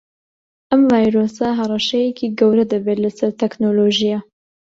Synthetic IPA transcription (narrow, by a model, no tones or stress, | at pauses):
ʔɛmvaːjɾoːsɑɦɐrˤɑʃɛjɛkʰiːɡɛwɾɐd̪ɨbeːlɨsɐɾt̪ʰɛknoloʒijɑ